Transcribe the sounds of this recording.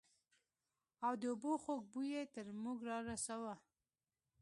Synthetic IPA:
awd̪əʊboxok̚bujet̪əɾmuɡɾɑɾasawa

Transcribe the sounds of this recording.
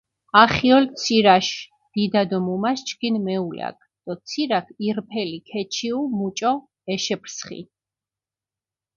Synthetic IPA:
aχiɔlt̪sʰiɾaʃ | d̪̥id̪ad̪ɔmumast͡ʃʰkʰinmɛula̰k̚ʰd̪̥ɔt̪sʰiɾakʰiɾpʰɛlikʰɛt͡ʃʰiumut͡ʃʼɔ | ɛʃɛpʰɾsχḭ

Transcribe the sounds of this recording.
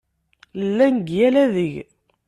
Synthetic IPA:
lːænɡjælæðəʝ

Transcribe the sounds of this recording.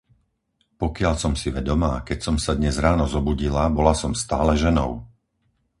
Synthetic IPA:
pɔkɪaʎsɔmsiʋɛd̪ɔmaːkɛcsɔmsad̪ɲɛzɾaːnɔzɔbuɟilabɔlasɔmst̪aːlɛʒɛnɔ̰ʊ

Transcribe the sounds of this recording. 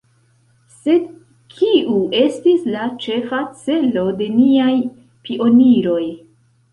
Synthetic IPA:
se̞d | kʰiue̞stislat͡ʃe̞fat͡se̞lo̞de̞niaj | piʔo̞niɾo̞j

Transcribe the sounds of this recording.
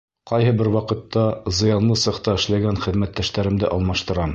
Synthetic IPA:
qɑjhɤbɘɾwɑqɤ̆t̪ːɑzɤ̆jɑnlˠɤsɤ̆qt̪ɑɘ̆ʃlæɡænχɘ̆ðmæt̪ːæʃt̪æɾɘ̆md̪ɘʔɒlˠmɑʃt̪ɤ̆ɾɑm

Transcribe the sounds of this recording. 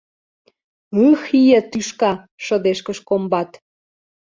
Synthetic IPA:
ɯxijə̆t̪yʃkɑ | ʃəd̪eʃkəʃkombɑt̪

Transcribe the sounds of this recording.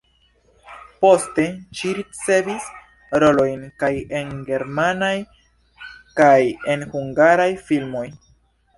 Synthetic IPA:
po̞ste̞ʃiɾit͡se̞vis | ɾo̞lo̞jnkaje̞nɡe̞ɾmanaj | kaje̞nhuŋɡaɾajfilmo̞j

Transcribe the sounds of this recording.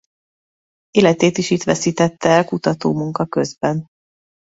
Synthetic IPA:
eːlɛt̪eːt̪iʃit̪ʋɛsiːt̪ɛt̪ːɛːlkut̪ɒt̪oːmuŋkɒkøzbɛn

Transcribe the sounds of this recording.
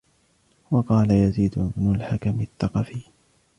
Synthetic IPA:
wɑqɑːlajaziːd̪mʊlħakamɪθːɑqɑfiː

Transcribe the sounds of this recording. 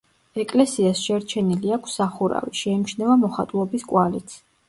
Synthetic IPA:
ɛkʼlɛsiasʃɛɾt͡ʃʰɛniliakʰsːaχuɾa̰viʃɛimt͡ʃʰnɛvamɔχat̪ʼulˠɔbiskʼwalit̪sʰ

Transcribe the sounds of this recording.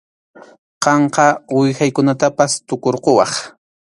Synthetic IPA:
qɑɴqɑwɪxajkʊnat̪apast̪ʊkoɾqowɑ̰χ

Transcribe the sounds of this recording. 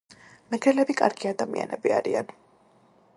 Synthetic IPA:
mɛɡɾɛlɛbikʼaɾɡiad̪amia̰nɛ̰biaɾian

